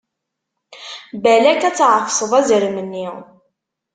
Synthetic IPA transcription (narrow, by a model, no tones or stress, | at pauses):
bælækæt͡sːʕəfsˤəðˤæzəɾmənːi